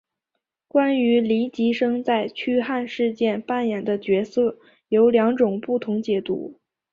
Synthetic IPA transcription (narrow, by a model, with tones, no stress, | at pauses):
kwa˥ny˧˥li˧˥t͡ɕi˧˥ʂɤ˥ŋt͡sa˥˩ɪt͡ɕʰy˥xa˥˧nʂɻ̩˥˧t͡ɕjɛ˥˩npa˥˩njɛ˨˩nd̪ə˦t͡ɕɥɛ˧˥sɤ˥˩ | jo˧˥ʊljɑ˧˥ŋʈ͡ʂʊ˨˩ŋpu˥˩t̪ʰʊ˧˥ŋt͡ɕjɛ˨˩t̪ṵ˧˥